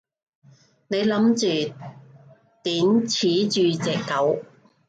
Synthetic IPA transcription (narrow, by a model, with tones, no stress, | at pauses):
ne˨˧jlɐ˨˥mt͡ʃyː˨ | t̪iː˨˥nt͡sʰiː˨˥t͡ʃyː˨˧t͡sɛː˨˩kːɐ˨˥w